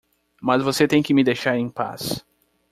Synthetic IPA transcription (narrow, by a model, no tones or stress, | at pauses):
mɐzvoset̪ẽj̃kɪmɪd̪ejʃaɾẽj̃pa̰s